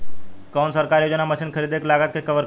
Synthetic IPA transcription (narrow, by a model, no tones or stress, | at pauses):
kɔːnsəɾkaːɾjoːd͡ʒənaməʃinkʰəɾiːd̪eklaːɡət̪̚kekəʋəɾ